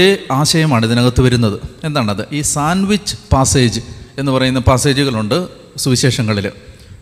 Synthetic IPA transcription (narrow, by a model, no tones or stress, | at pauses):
eaːɕɐjɐmaːɳiðinɐɣɐt̪ːɨʋɐɾunːɐðɨe̞nd̪aːɳɐðɨʔiːsaːnʋit͡ɕːɨ̥paːse̞ːd͡ʑɨe̞nːɨpɐrɐjunːɐpaːse̞ːd͡ʑuɣɐɭuɳɖɨ | suʋiɕe̞ːʂɐŋːɐɭil